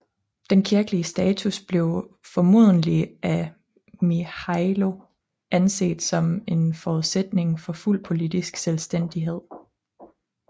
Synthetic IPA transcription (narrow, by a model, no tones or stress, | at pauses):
d̥enkʰiɐɡ̥əliəsd̥ɛːt͡sʰusb̥le̝ʊfɒ̽mo̝̰ð̞̰ˠn̩liʔæ | mihɑɪlo̝ | ʔænse̝̰ːd̥sɒ̽me̝nfɒuðˠsed̥ne̝ŋfɒ̽ful̰pʰo̝lid̥isɡ̥selsd̥en̰d̥iɦe̝ð̞̰ˠ